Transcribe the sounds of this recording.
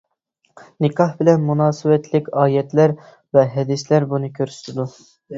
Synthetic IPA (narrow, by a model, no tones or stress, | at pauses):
nɪkʰɑhbɪlɛnmunɑːsɨwɛt̪lɪkʲɑːjɛt̪læɾ | vɛɦɛd̪ɪslæɾbunɨkʲʰøɾsy̥t̪ʰɪd̪u